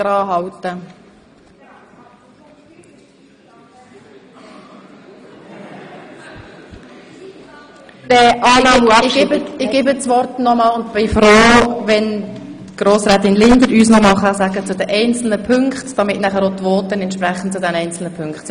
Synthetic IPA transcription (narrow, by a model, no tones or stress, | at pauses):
ɾɑːɦɑwt̪ə | dɛʔɑːnɑːm | ɪɡ̥eːbət͡sʋɔrtnɔmɑːlʊnt̪b̥ɪfɾoːʋɛntɡ̥ɾoːsɾaːt̪ɪnlɪnd̪əɾyːsnɔmɑχəsæɡət͡sʊd̥ɛʔɛɪnt͡sl̩nəpʰʏŋkχtd̥ɑmɪtnæχəɾot̪ʋoːt̪ːənɛntʃpɾɛχən̩tt͡sʊdɛnɛɪnt͡sl̩nəpʰʏŋkχt